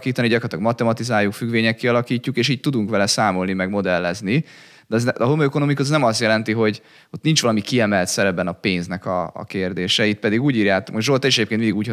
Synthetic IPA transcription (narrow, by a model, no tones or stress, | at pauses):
kiːt̪ɒniɟɒkoɾrt̪lɒɡmɒt̪ɛmɒt̪izaːjːukfyɡʋeːɲɛkːiɒlɒkiːcːukeːʃiːɟ̚t̪ud̪uŋkʋɛlɛsaːmo̞lnimɛɡmo̞d̪ɛlːɛzni | d̪ɛzɛɦomøːkoomikut̪znɛmɒsjɛlɛnt̪iɦo̞ɟ | ot̪nint͡ʃʋɒlɒmikiɛmɛlt̪sɛɾɛbɛnɒpeːnznɛkɒ̰ːkeːrd̪eːʃɛit̪̚pɛd̪iɡuːɟiːɾjaːt̪omʒolt̪ɛiʃɛɟeːpkenmind̪iɡuːch